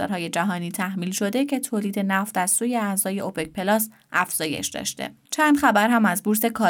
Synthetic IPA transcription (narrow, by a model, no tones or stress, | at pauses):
ɒ̰ːɾhɒːje̞d͡ʒæɦɒːniːt̪ʰæhmiːlʃo̞d̪e̞cʰe̞t̪ʰoːliːd̪e̞næft̪æzsuːje̞æzɒːje̞opʰec̚pʰe̞lɒːs | ʔæfz̥ɒːje̞̰ʃd̪ɒ̰ʃt̪e̞̰ | t͡ʃʰænd̪χæbæɾɦæmæzbuɾse̞kʰɒː